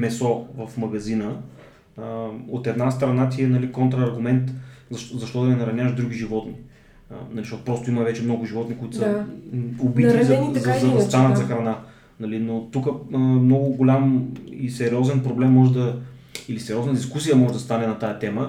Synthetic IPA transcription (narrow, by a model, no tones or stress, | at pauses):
mɛsɔvɐfmɐɡɐzinə | ot̪ɛd̪nast̪ɾɐnat̪̬ʲiɛnɐlikont̪ɾɐːɾɡʊmɛnt̪zɐʃzɐʃt̪ɔd̪ɐɛnɐɾɐnʲjaʃd̪ɾuɡ̟iʒivɔt̪nḭ | nɐliʃt̪ɔt̪pɾɔst̪oimɐvɛt͡ʃɛmnɔɡʊʒivɔt̪nikoit̪ʊ̥sə | obit̪izzzɐvɐst̪anət̪zɐxɾɐna | nɐlinot̪ukəmnɔɡʊɡolʲamisɛɾiɔzɛnpɾoblɛmːɔʒɛd̪ɐ | ilisɛɾʲiɔznəd̪iskus̬ijəmɔʒɛd̪ɐst̪anɛnɐt̪ajɐt̪ɛmə